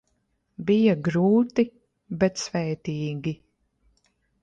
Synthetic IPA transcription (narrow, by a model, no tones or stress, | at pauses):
bijaɡɾuːt̪i | bɛt̪svɛːt̪iːɡʲi